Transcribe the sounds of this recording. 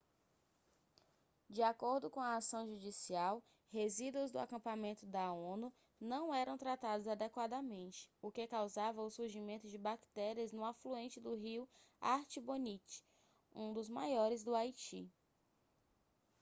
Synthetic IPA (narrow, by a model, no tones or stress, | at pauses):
d͡ʒiakoɾd̪ʊkõɐːsɐ̃w̃ʒud͡ʒisiaw | hezid̪uʊzd̪ʊa̰kɐ̃pamẽnt̪ʊd̪ɐõnʊ | nɐ̃w̃ɛɾɐ̃w̃t̪ɾat̪ad̪ʊzad̪ɛkwad̪ɐmẽnt͡ʃɪ̥ʊkekawzavɐʊsuɾʒimẽnt̪ʊd͡ʒɪbakt̪ɛɾiɐznʊafluẽnt͡ʃɪd̪ʊɦiwa̰ɾt͡ʃibõnit͡ʃɪ̥ | ũd̪ʊzmajɔɾɪzd̪ʊajt͡ʃḭ